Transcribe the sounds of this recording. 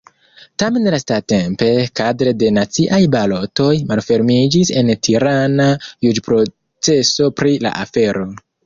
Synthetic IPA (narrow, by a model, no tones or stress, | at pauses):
tame̞nlastate̞mpe̞kadɾe̞de̞nat͡siʔajbalo̞to̞jmalfe̞ɾmid͡ʒise̞ntʰiɾanajud͡ʒpɾo̞ | t͡se̞so̞pɾila̰ʔafe̞ɾo̞